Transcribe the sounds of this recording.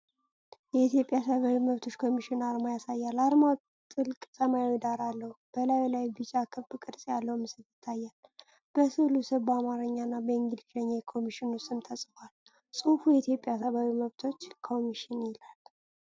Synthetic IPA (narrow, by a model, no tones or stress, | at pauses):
jɛit̪jo̞pʼjasəβawiməβt̪ʰo̞t͡ʃːkʰo̞miʃɪnaɾmajasajːalaɾma | t̪ʼɨlkʼsəmajwid̪aɾalːəhub̥əlajlajbɨt͡ʃʼakʰɨbɨkʼɨɾsʼjalːəwmɨsɨljɪt̪ʰːajːal | b̥əsɨlusɨβamaɾɨɲːanːabəiŋɡɨd̪it͡ʃaɲːekʰo̞miʃɪnust̪ʼːɨnt̪ʰəsʼfwal | sʼufujɛit̪ʰjo̞pʼjasəβawiməβt̪ʰo̞t͡ʃːkʰo̞miʃɪnɪlal